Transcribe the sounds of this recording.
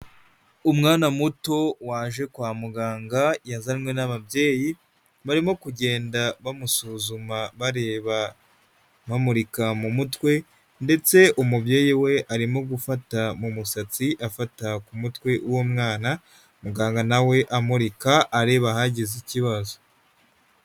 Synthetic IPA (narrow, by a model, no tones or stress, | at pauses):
umŋaːnamuto̞waːʒe̞kwaːmuɡaːŋɡajazaimwe̞naβabje̞ːji | βaɾimo̞kuɟe̞ːndaβamusuːzumaβaɾe̞ːβa | βamuɾikamumutwe̞ | nde̞t͡se̞umubje̞ːjiwe̞ʔaɾimo̞ɡufatamumusat͡siʔafatakumutwe̞ʔuwomŋaːna | muɡaːŋɡanawe̞ʔamuɾikaʔːɾe̞ːβahaɟiziciβazo